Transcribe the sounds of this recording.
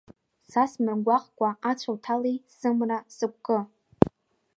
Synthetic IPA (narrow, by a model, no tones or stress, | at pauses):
sasmɨrɡʷaχkʷʼaat͡ɕʷʰawtʰalejsɨmrasɨkʷʼkʼɨ